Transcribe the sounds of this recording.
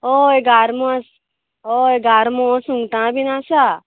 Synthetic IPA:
oeɡaːɾmõs | oeɡaːɾmõsũŋɡʈ̪ãːbinãːsa

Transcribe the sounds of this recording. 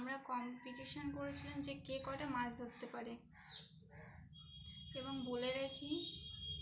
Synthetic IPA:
amɾakɔmpiʈiʃonkoɾet͡ɕʰilend͡ʑekekɔʈamãd͡ʑd̪ʱot̪ːepaɾe | eboŋboleɾekʰi

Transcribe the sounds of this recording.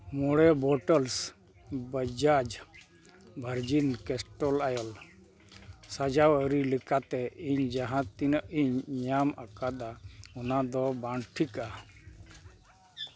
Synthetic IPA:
mɔɽɛbɔʈəls | bəd͡ʒad͡ʒ | bʱəɾd͡ʒinkɛsʈɔlajɔl | sad͡ʒawəɾilikat̪ɛiɲd͡ʒaɦãt̪inəʔiɲɲamakad̪aɔnad̪ɔbaɳʈʰika

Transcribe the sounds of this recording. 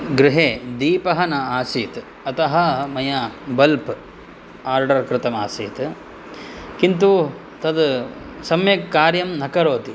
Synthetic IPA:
ɡɾɪɦeːd̪iːpɐɦɐnɐaːsiːt̪ | ɐt̪ɐɦɐmɐjɐbɐlp | aːɾɖɐɾkɾɪt̪ɐma̰ːsiːt̪ | kint̪u | t̪ɐd̪sɐmjɐkːaːɾjɐmnɐkɐɾoːt̪i

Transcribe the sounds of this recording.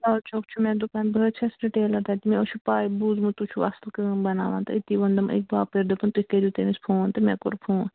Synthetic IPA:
aːt͡ʃok̚t͡ʃʰumɛ̃ːd̪upaːnbəːt͡ʃʰɐsɾiʈeːlɐɾd̪aːt̪imɛ̃ot͡ʃʰupaːibuːzmɨ̃t̪ut͡ʃʰuɐslkɨmbɐna̰ːʋã̰nt̪ɐit̪iʋɐnd̪ɐmḛk̚baːpeɾd̪opɐnt̪uhʲkeɾuːt̪emispʰũːɐnt̪ɐmɛ̃ːko̰ɾpʰũː

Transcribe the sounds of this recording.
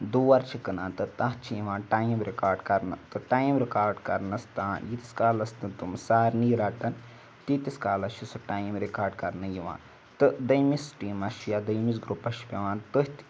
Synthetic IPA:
d̪uːʋɐɾt͡ʃʰikɨnaːnt̪ɨt̪aɦt͡ʃʰijiʋãːnʈaːjimɾikaːɾɖkɐɾnɨ̰t̪ɨʈaːjmɾikaːɾɖkɐ̰ɾnɐst̪aːnjit̪i̥skaːlɐst̪ɨnt̪umsaːɾniːɾaːʈɐn | t̪it̪iskaːlɐʃisuʈaːjmɾikaːɾɖkɐɾnɨjiʋa̰ːn | t̪ɨd̪ɐjmisʈiːmɐʃujad̪ɐjmis̬ɡɾupɐʃi̥pʲɐʋãːnt̪ɨhʲt̪

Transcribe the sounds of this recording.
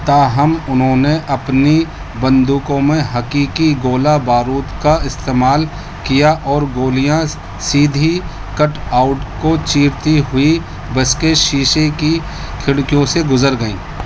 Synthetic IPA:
t̪aːɦɐmʊnɦõːneʔɐpni | bɐ̃nd̪ukõmẽɦɐkiːkiɡoːlabaːɾuːt̪kaɪst̪eːmaːl | kijaʔɔːɾɡoːlijã | siːd̪ʱi | kɐʈaːʊʈkot͡ʃiːɾt̪iɦʊi | bɐskeʃiːʃeki | kʰɪɽkijõseɡʊzəɾɡɐḭ̃ː

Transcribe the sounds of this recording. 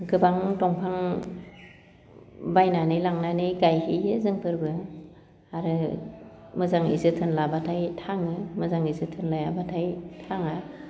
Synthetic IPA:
ɡɯbaŋtɔŋpʰaŋ | bajnanɯjlaŋnanɯjɡajhiɯzɯŋpʰɯɾbɯ | aɾɯ | mɯzaŋḭzɯtʰɯnlabatʰajtʰaŋɯmɯzaŋizɯtʰɯnlajabatʰajtʰaŋa

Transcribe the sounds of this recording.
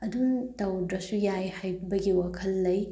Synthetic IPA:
ɐduntɐwdɾɐsujajhajbbɐɡiwakʰɐlːɐj

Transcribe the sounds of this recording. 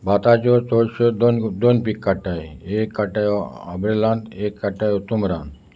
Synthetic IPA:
bʱat̪at͡ɕɔt͡sɔɕɔd̪ond̪onpikːaʈajeekːaʈajɔabɾelãnd̪ekːaʈajɔt̪umɾãnd̪

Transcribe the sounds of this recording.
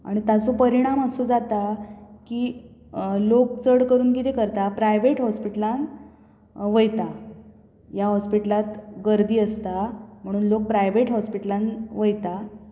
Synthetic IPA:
a̰ɽ̃it̪at͡sopəɾiɽ̃aməsod͡zat̪akiː | lokt͡səɽkəɾuːnkit̪ekəɾt̪apɾajʋeʈɦɔspiʈəlãn | ʋəjt̪a | jaɦɔspiʈəlat̪ɡəɾd̪iːəst̪am̤əɽ̃uːnlok̚pɾajʋeʈɦɔspiʈəlãnʋəjt̪a

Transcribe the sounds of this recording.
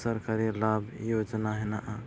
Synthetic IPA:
səɾkaɾilabjod͡ʒnaɦɛnaʔa

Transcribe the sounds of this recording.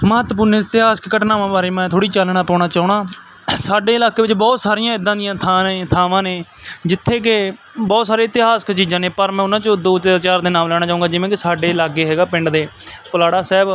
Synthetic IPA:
məɦt̪pʊɾnːɪt̪ɪɦaːsə̥kkəʈnaːʋãːbaːɾeːmɛ̃ːt̪ʰoːɽiːt͡ʃəlɳ̃ãːpɔːɽ̃aːt͡ʃaːʊɳ̃aː | saːɖeːɪlaːkeːʋɪt͡ʃbɔːt̪saːɾijãːɪd̪ãːd̪ɪjãːt̪ʰaːneːt̪ʰaːʋãːneːd͡ʒɪt̪ʰːeːkɪ | bɔːt̪saːɾeːɪt̪ɪɦaːsə̥kt͡ʃiːzãːneːpəɾmɛ̃ːʊnãːt͡ʃəd̪oːt̪aːt͡ʃaːɾd̪eːnaːmlɛːɽ̃aːt͡ʃaːʋũŋɡaːd͡ʒɪʋẽːkɪsaːɖeːlaːɡeːɦɛːɡaːpɪ̃ɳɖd̪eːpəlaːɽaːsɛːb

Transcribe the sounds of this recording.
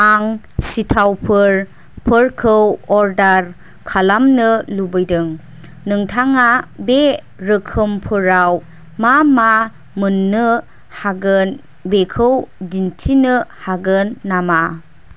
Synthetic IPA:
aŋ | sitʰawpʰɯɾ | pʰɯɾkʰɯwɔɾdaɾ | kʰalamnɯlubɯjdɯŋ | nɯŋtʰaŋabe | ɾɯkʰɯmpʰɯɾaw | mama | mɯnːɯ | haɡɯn | bekʰɯwdintʰinɯhaɡɯnːama

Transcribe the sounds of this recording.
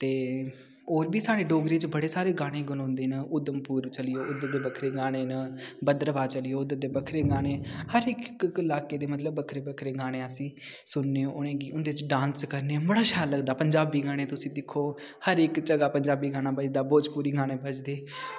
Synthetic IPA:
t̪eː | oːɾbiːsaːɽeːɖoːɡɾeːt͡ʃbəɽeːsaːɾeːɡaːɽ̃ẽːɡʊnõːnd̪eːnəʊd̪əmpuːɾt͡ʃəlɪjoːʔʊd̪əd̪eːbəkʰɾeːɡaːɽ̃eːnəbəd̪əɾəʋaːt͡ʃəlɪjoːʊd̪əd̪eːbəkʰɾeːɡaːɽ̃eːhəɾɪkkɪlaːkeːd̪eːmət̪ləbːəkʰɾeːbəkʰɾeːɡaːɽ̃ẽːəsĩː | sʊnːeːoːʔʊɽ̃ẽːɡiːʊnd̪eːt͡ʃɖãːnskəɾneːbəɽaːʃaːləɡd̪aːpəɲd͡ʒaːbiːɡaːɽ̃ẽːt̪ʊsĩːd̪ɪkʰːoː | həɾɪkt͡ʃəɡaːpəɲd͡ʒaːbiːɡaːɽaːbəd͡ʒd̪aːboːd͡ʒpuːɾiːɡaːɽ̃ẽːbəd͡ʒd̪eː

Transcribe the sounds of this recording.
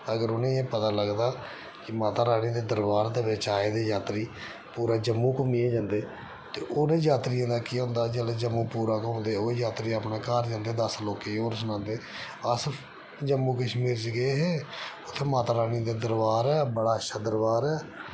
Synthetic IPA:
əɡəɾʊnẽːẽːpət̪aːləɡd̪aː | kɪmaːt̪aːɾaːniːd̪eːd̪əɾbaːɾt̪eːʋeːt͡ʃaːeːd̪eːd͡ʒaːt̪ɾiː | puːɾaːd͡ʒəmːũːkʊmiẽːd͡ʒãːnd̪eː | t̪eːʔoːnẽːd͡ʒaːt̪ɾɪjãːd̪aːkiːɦõːnd̪aːd͡ʒəled͡ʒəmːuːpuːɾaːkõːnd̪eːoːeːd͡ʒaːt̪ɾiːaːpneːkaːɾd͡ʒãːnd̪eːd̪əsloːkeːoːɾsənãːnd̪eː | əs | d͡ʒəmːũːkəʃmiːɾd͡ʒɪɡeeːɦeːʊt̪ʰːeːmaːt̪aːɾaːnid̪eːd̪əɾbaːɾɛːbəɽaːəʃaːd̪əɾbaːɾɛː

